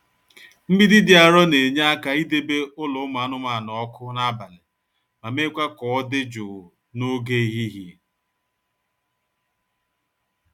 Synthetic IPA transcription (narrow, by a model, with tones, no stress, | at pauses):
m̩˦bi˦dɪ˦dɪ˨a˨ɾɔ˦ne˨ɲa˦a˦ka˨i˦de˦be˦ʊ˦lʊ˨˦ma˨˦nʊ˦ma˨nɔ˨ɔ˦kʊ˦na˦ba˨lɪ˨ | ma˨me˦kʷa˦kɔ˨˦ɔ˦dɪ˦d͡ʒʊ˨ʊ˨ | no˦ɡe˦i˨ɦi˦ɦi˦